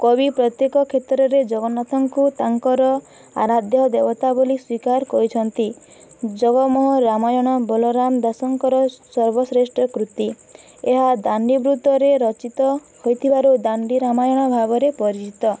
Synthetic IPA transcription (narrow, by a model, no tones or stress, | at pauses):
kɔbipɾɔt̪jekɔkʰet̪ɾɔɾed͡ʒɔɡɔnat̪ʰɔŋkut̪aŋkɔɾɔ | a̰ɾad̪jɔd̪ebɔt̪ʰaboliswikaɾkɔɾit͡ʃʰɔnt̪id͡ʒɔɡɔmɔɦɔɾamajɔɽ̃ɔbɔlɔɾamd̪asɔŋkɔɾɔsɔɾbɔsɾesʈɔkɾut̪i | eɦad̪aɳɖibɾut̪ɔɾeɾɔt͡ʃit̪ɔ | hojt̪ʰibaɾud̪aɳɖiɾamajɔɽ̃ɔbʱaɡɔɾepɔɾit͡ʃit̪ɔ